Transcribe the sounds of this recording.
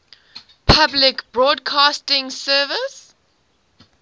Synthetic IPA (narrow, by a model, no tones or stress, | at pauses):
pʰablɪkbɹɔːdkʰɑːstɪ̃ŋsɜːvɪs